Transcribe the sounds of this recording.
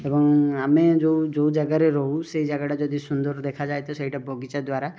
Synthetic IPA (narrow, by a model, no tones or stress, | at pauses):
ebɔŋamẽd͡ʒoud͡ʒoud͡ʒaɡaɾeɾɔɦuseid͡ʒaɡaʈad͡ʒɔd̪isʊnd̪ɔɾd̪ekʰad͡ʒaːjt̪ɔseiʈabɔɡit͡ʃad̪waɾa